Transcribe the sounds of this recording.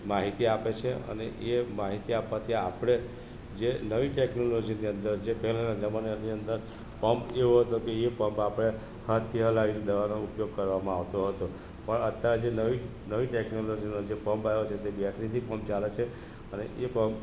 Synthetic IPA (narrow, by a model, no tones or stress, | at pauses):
maɦit̪iapet͡ʃʰeə̰nḛʔemaɦit̪iapːat̪ʰiapɽ̃e | d͡ʒenəʋiʈeknolod͡ʒiniənd̪əɾd͡ʒepɛɦlanad͡ʒəmanniənd̪əɾ | pəmpeʋoɦət̪okeepəmpapɽ̃e | hat̪ʰːiɦəlaʋined̪əʋanoupjoɡ̚kəɾʋamãaʋt̪oɦət̪o | pəɳət̪jaɾed͡ʒenəʋi | nəʋiʈeknolod͡ʒinod͡ʒepəmpajot͡ʃʰet̪ebjaʈʰnit̪ʰipə̃mp̚t͡ʃalet͡ʃʰe | əneʔepəmp